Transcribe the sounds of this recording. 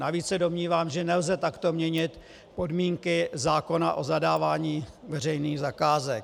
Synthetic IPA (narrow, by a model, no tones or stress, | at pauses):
naviːt͡ssɛdo̞mɲiːvaːmʒɛnɛlzɛt̪akt̪o̞mɲɛɲɪt̪ | po̞dmiːŋkɪzaːko̞naʔo̞zadaːvaːɲiːvɛrɛjniːɣzakaːzɛk